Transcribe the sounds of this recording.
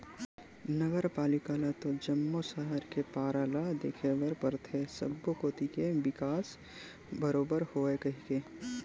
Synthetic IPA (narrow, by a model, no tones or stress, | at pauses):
nəɡəɾpaːlɪkaːlat̪od͡ʒɐmːosaɦəɾkepaːɾaːlad̪eːkʰeʋəɾpəɾt̪ʰesɐ̰bːokoːt̪ikeʋɪkaːs | bəɾoːbəɾhoːekɐɦikeː